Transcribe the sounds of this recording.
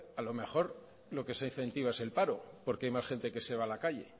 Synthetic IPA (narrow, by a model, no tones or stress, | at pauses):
alo̞me̞xo̞ɾ | lo̞ke̞sain̟θẽ̞nt̪iβaese̞lpaɾo̞po̞ɾkeajmasxe̞nt̪e̞ke̞se̞β̞alakaʎe̞